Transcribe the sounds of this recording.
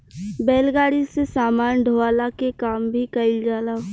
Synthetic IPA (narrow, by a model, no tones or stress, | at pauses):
bɛːlɡaːɽisesaːmaːnd̪ʱoʋaːlakekaːmbʱikɐɪld͡ʒaːla